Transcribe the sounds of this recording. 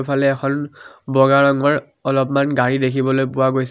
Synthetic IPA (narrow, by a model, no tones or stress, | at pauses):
pʰalɛːkʰɔnbɔɡaɹɔŋɔɹ | ɔlɔpmanɡaɹidekʰibɔlojpʊwaɡojs